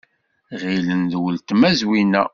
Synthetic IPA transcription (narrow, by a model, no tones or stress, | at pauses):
ʁilənðwəlt̪mæzwinæ